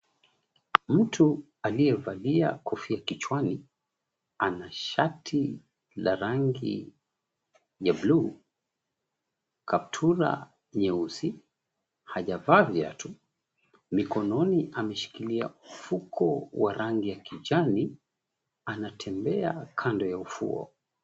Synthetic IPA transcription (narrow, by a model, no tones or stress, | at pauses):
m̩tʰu | aliɛvalia̰kɔfiakit͡ʃwani | anaʃatʰi | laɾaŋɡḭ | jablu | kʰap̚tʰuɾa̰ | ɲɛuzi | haʄavavja̰tʰu | mikɔnɔniʔamɛʃi̥kilia̰mufukʰɔwaɾʔaŋɡijakid͡ʒani | anatʰɛmbɛakʰandɔjaufṵɔ̰